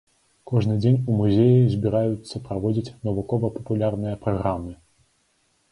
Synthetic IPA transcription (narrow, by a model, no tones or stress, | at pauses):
kɔʐnɨd͡zʲenʲumuzʲejizʲbʲiɾajut̪sːɐpɾavɔd͡zʲit͡sʲnɐvukɔvɐpɐ̥pulʲarnɨjɐpɾaɣɾamɨ